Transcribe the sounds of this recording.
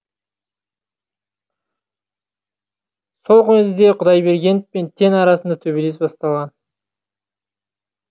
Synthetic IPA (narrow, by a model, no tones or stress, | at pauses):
so̞lˠqʊnezd̪e̞qʰʊd̪ɑjbe̞ɾɡʲe̞npe̞nt̪ʰe̞nɑɾɑsənd̪ɑt̪ʰɵβele̞s̬bɑst̪ɑlˠʁɑn